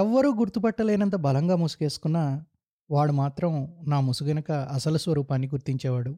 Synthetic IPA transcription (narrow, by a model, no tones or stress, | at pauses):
ɛʋːɐɾuːɡuɾt̪upɐʈːɐle̞ːnɐnt̪̬ɐbɐlɐŋɡaːmusu̥ke̞ːsu̥kunːaː | ʋaːɽumaːt̪ɾɐmnaːmusukɐnɐkɐɐsɐlusʋɐɾuːpaːnːiɡuɾt̪iɲt͡ʃɛːʋaːɽu